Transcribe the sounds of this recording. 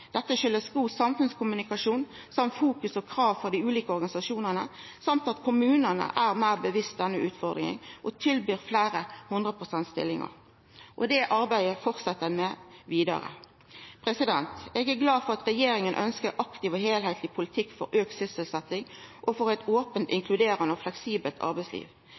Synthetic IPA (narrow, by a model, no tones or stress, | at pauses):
d̪̥ɛt̪ːəʃʏlːəsɡuːsɑmfʉnskʰʊmʉnɪkɑʂuːn | sɑmt̪fuːkʉsɔkʰɾɑːʋfɔʁd̪ɪʉːliːkəɔɾɡɑnɪsɑʂuːnənə | sɑmt̪ɑt̪kʰʊmʉːnənə̰ʔæʁmæɪʁbəʋɪst̪̚d̪ɛnːəʉːt̪fɔʁd̪ɾŋɪ̰ŋʔɔt̪ʰɪlbyːɾflæːɾəhʊnd̪ʁəpʰʁʊsɛnt̪st̪ɪ̰lːɪ̰ŋɑ̰ʁ | ʔɔd̪ɛʔɑɾbæɪəfɔʁt̪sɑt̪ːəmɛʋiːd̪ɑ̰ɾə̰ | pʰɾɛsɪd̪ɛnt̪ɛɡæɾɡlɑːd̪fɔʁɑt̪ɾɛjeːɾɪŋənʔœ̰nskəɾʔɑkt̪ɪʋɔheːlheɪt̪ʰlɪpʰʊlɪt̪ʰɪkːfɔ̰ɾʔøːksʏsəlsɛt̪ːɪŋʔɔfɔɾɛt̪oːpənt̪ɪŋkʰlʉd̪eːʁənəɔflɛksiːbəlt̪ʰɑ̰ɾbæɪslḭːʋ